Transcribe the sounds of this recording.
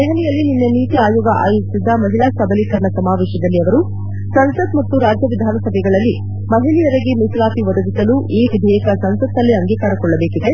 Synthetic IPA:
ɛɦɐnɛjɐlːininːɐniːt̪iaːjoːɡɐʔa̰ːjusid̪ːɐmɐɦilaːsɐbʱɐlikɐɾɐɳɐsɐmaːʋɛːʃɐd̪ɐlːiɐʋɐɾu | sɐnsɐt̪mɐt̪ːuɾaːd͡ʒjɐʋid̪ʱaːnɐsɐbʱɛɡɐɭɐlːi | mɐɦilijɐɾɐɡemislaːpiʋɐd̪ɐɡisɐluʔiːʋid̪ʱijɐkɐsɐnsɐt̪ːɐlːiɐŋɡiːkaːɾɐkɔɭːɐbeːkid̪e̞

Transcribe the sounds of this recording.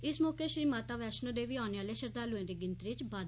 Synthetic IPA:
ɪsmɔːkeːʃɾiːmaːt̪aːʋɛːʃnə̃ːd̪eːʋiːaːneːaːleːʃəɾd̪aːlʊẽːd̪eːɡɪnt̪ɾɪt͡ʃbaːd̪

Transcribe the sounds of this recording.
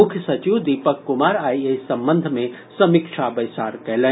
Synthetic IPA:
ʊkʰjəsɐt͡ʃiʋd̪ipəkːumaɾajesəmbənd̪ʱmesɐmikʃʰabəjsaːɾkɛɦlə

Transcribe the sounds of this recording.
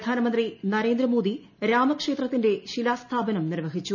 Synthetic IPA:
d̪ʱaːnɐmɐnd̪rinɐɾe̞ːnd̪ɾɐmo̞ːd̪i | ɾaːmɐkʂe̞ːt̪rɐt̪ːinde̞ɕilaːst̪ʰaːbɐnɐmnirʋɐɦit͡ɕːu

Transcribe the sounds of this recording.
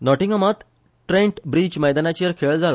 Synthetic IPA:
nɔʈiŋɡəmat̪ | ʈɾẽɳʈbɾiːt͡ɕməjd̪anat͡ɕijəɾkʰeɭd͡zʱala

